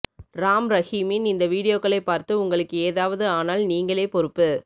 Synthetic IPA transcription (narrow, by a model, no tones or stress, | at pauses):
ɾaːmɾɐɣimɪnɪnd̪ɐʋiːɽɪjoːkːɐɭɐɪpːaːɾt̪ɯʊŋɡɐɭɯkːɯeːðaːʋɐðɯaːnaːlniːŋɡɐɭeːpɔɾɯpːɯ